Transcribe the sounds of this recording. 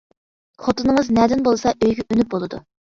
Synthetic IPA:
χʰot̪ɨnɨŋɨznɛd̪ɪnbolˠɨsɑʔøjɡʲɛʔynyp̚bolˠɨd̪u

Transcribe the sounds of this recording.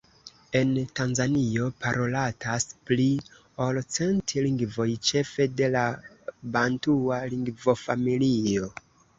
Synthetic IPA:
e̞ntanzanio̞paɾʔo̞latʰaspli | olot͡se̞ntʰiliŋɡvo̞jt͡ʃe̞fe̞de̞la | bantualiŋɡvo̞familio̞

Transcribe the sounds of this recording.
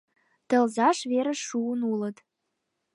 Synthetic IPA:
t̪ə̆lzɑʃβeɾə̆ʃuənulə̆t̪

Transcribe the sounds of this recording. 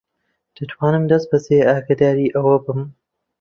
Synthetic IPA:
d̪̥ɨt̪ʰwaːnɨmd̪ɐst̪̚bɐseːaːɡɐd̪aːɾiːʔɐwɐbɨm

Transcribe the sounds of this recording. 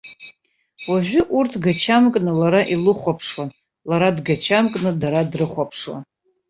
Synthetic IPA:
waʒʷᶣʊʔurtʰɡat͡ʃʰamkʼnɨlaɾaʔilɨχʷapʰʂwan | laɾadɡat͡ʃʰamkʼnɨdaɾadrɨχʷapʰʂwa̰n

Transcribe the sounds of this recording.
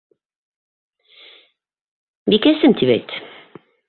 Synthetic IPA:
bikæsɘmt̪ʰiβæ̰jt̪

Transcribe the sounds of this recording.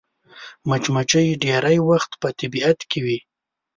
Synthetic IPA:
mat͡ʃmat͡ʃəjeɖeɾajwaxt̪pət̪abiat̪kewi

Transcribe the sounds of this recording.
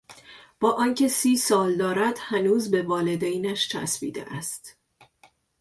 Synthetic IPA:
b̥ɒːʔɒːncʰe̞siːsɒːld̪ɒːɾæd̪̥hænuːzbe̞vɒːle̞d̪ejnæʃt͡ʃʰæ̰sbḭːd̪e̞̰ʔæst̪

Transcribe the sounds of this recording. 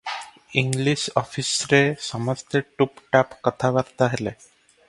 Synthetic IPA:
iŋɡliʃɔfʰisɾesɔməst̪ʰeʈupʈapkət̪ʰabaɾt̪aɦele

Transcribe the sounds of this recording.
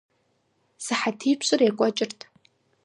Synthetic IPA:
sɨħatʰijpʰɕʷʼɨrjakʷʼat͡ʃʼɪrtʰʼ

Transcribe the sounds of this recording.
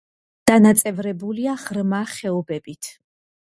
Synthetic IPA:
d̪̥anat̪sʼɛvɾɛbuliaʁɾmaχɛɔbɛbit̪ʰ

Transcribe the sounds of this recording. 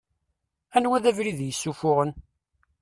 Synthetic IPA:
ænwæðævɾiðjəsːufʊʁən

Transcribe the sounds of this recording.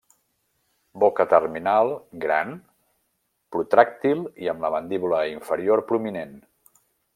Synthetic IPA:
bokət̪ərminalˠɡɾa̰n | pɾut̪ɾak̚t̪ilˠiəmləβənd̪iβuləiɱfəɾioɾpɾuminen

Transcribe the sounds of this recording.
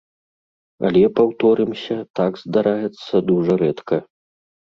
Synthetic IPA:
ɐ̰lʲɛpawt̪ɔɾɨmsʲɐt̪aɡzd̪aɾajɛt̪sːɐd̪uʐɐɾɛt̪kʰɐ

